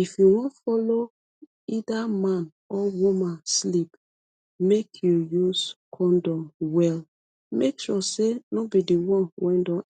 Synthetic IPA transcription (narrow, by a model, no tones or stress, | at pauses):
ifjuwɔ̃ntfɔlo | idamãn | ɔwumãnslip | mekʰjujuz̥kʰɔ̃ndɔ̃mwɛl | mekʃɔsenobidiwɔ̃nwɛ̃ndɔ̃